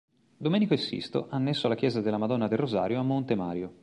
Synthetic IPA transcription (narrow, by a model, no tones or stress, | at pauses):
d̪omɛːnikoesːḭst̪o̰ʔanːesːoalːak̟jɛːzad̪elamad̪ɔnːad̪erozaːɾjoamːont̪ema̰ːɾjo